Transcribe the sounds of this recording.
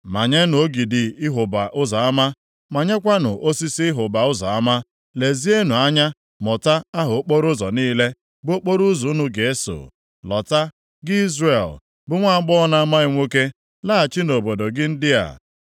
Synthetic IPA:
ma˨ɲe˦n˨o˦ɡi˨dɪ˨ɪ˦ɦʊ˨ba˨ʔʊ˦zɔ˨a˦ma˦ | ma˨ɲe˦kʷa˦nʊ˨ʔo˦si˦si˦ɪ˦ɦʊ˨ba˨ʊ˦zɔ˨a˦ma˦ | le˨zi˦e˦nu˨a˦ɲa˦ | mɔ˨ta˦a˦ɦʊ˨o˦k͡po˦ɾʊ˦zɔ˨niː˦le˦ | bo˦k͡po˦ɾu˦zu˨˦nʊ˦ɡe˨e˦so̰˨ | lɔ̰˨ta˦ | ɡɪ˦i˦zre˨l | bʊ˦ŋʷa˦ɡ͡bɔ˦ɔ˦na˦ma˦ɪ˦ŋʷo˦ke˦ | la˦a˨t͡ʃɪ˦no˨bo˨do˨ɡɪ˦n̩˦dɪ˦a̰˨

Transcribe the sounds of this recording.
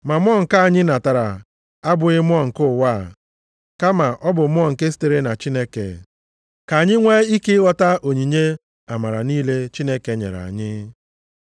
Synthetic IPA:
ma˨mʷ˦ɔ˦ŋ̩˨ka˦a˨ɲɪ˦na˨ta˨ɾa̰˨ | a˦bʊ˨ɣɪ˦mʊ˦ɔ˦ŋ̩˨kʊ˦˨wa˦˨ | ka˦ma˨ʔɔ˦bʊ˨m˦ɔ˦˨ŋ̩˨ke˦s̬i̥˦te˨ɾe˦na˨t͡ʃi˦ne˦kḛ˨ | ka˨a˨ɲɪ˦ŋʷe˦i˦ke˦ɣɔ˦ta˦ʔo˨ɲi˨ɲe˦ | a˨ma˨ɾa̰˨niː˦le˦t͡ʃi˦ne˦ke˨ɲḛ˨ɾa̰˨ɲɪ˦

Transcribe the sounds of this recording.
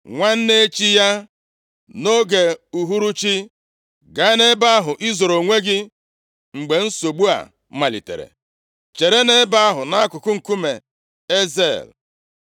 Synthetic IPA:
ŋʷa˦n̩˦ne˦e˦t͡ʃi˦ja˦ | no˦ɡe˨u˨ɦu˦ɾu˦t͡ʃi˦ | ɡa˨˦ne˦ba˦a˦ɦʊ˨ʔi˦zo˨ɾo˨ŋʷe˦ɡɪ˦ | ŋ͡m̩˨ɡ͡be˨n̩˦so˨ɡ͡bu˦a̰˨˦ | ma˨lḭ˨tḛ˨ɾḛ˨ | t͡ʃe˨ɾe˦ne˦ba˦a˦ɦʊ˨na˦a˦kʊ˨kʊ˦ŋ̩˨ku˦me˨ | e˦zḛ˦˨l

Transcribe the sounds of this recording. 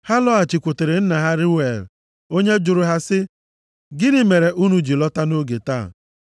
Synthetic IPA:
ha˦lɔ˦a˨t͡ʃɪ˨kʷʊ˨te˨ɾe˨n̩˦na˨ɦa˦ɾɪ˦we˨l | o˦ɲe˦d͡ʒʊ˨ɾʊ˨ɦa˦sɪ˦ | ɡɪ˦nɪ˦me˨ɾe˨ʔu˦nu˨d͡ʒi˨lɔ˦ta˦no˦ɡe˨taː˦˨

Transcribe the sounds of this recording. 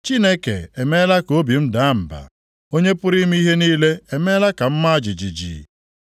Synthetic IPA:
t͡ʃi˦ne˦ke˨e˨me˦la˦ko˦bi˨m̩˦da˨˦m̩˨ba̰˨ | o˦ɲe˦pʊ˦ɾi˦m˦i˦i˦ɦe˦niː˦le˦e˨me˦la˦ka˨m̩˦ma˦a˦d͡ʒi˨d͡ʒi˨d͡ʒḭː˨

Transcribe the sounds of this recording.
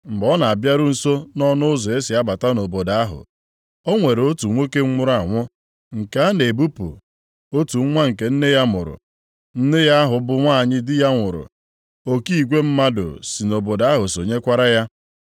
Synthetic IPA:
ŋ͡m̩˨ɡ͡bɔ˦na˨a˨bja˦ɾʊ˦n̩˨so˦nɔ˦nʊ˦ʊ˦zo˨e˦si˨a˦ba˨ta˦no˨bo˨da˨a˦ɦʊ̰˨ | o˦ŋʷe˨ɾo˦tu˨ŋʷo˦ke˦ŋ͡m̩˦ŋʊ˦ɾa˨ŋʷʊ˦ | ŋ̩˨ka˦a˦ne˨bu˦pṵ˨ | o˦tu˨˦ŋʷa˦ŋ̩˨ke˨n̩˦ne˦ja˦mʊ˨ɾʊ̰˨ | n̩˦ne˦ja˦a˦ɦʊ˨bʊ˦ŋʷa˦˨ɲɪ˦dɪ˦ja˦ŋʷʊ˨ɾʊ̰˨ | o˦ki˦i˨ɡʷe˦m̩˦ma˦dʊ̰˨si˨no˨bo˨da˨˦ɦʊ˨so˨ɲe˦kʷa˦ɾa˦ja˦

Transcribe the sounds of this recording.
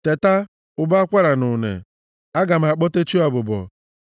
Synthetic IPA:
te˨ta˦ | ʊ˦ba˦a˦kʷa˦ɾa˨nʊ˨nḛ˨ | a˦ɡa˨m̩˨a˨k͡pɔ˦te˦t͡ʃi˦ɔ˨bʊ˨bɔ̰˨

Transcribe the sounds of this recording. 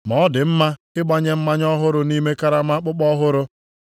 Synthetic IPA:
mɔ˨˦dɪ˨m̩˦ma˦ | ɪ˦ɡ͡ba˦ɲe˦m̩˦ma˦ɲɔ˦ɦʊ˦ɾʊ˦ni˦me˦ka˦ɾa˦ma˦k͡pʊ˦k͡pɔ˦ɦʊ˦ɾʊ˦

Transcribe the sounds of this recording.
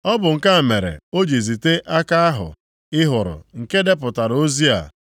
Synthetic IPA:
ɔ˦bʊ˨ŋ̩˨ka˦˨me˨ɾḛ˨o˦d͡ʒi˨zi˨te˦ʔa˦ka˦a˦ɦʊ̰˨ | ɪ˦ɦʊ˨ɾʊ̰˨ŋ̩˨ke˦de˦p̬ʊ˨ta˨ɾo˦zi˦a̰˨

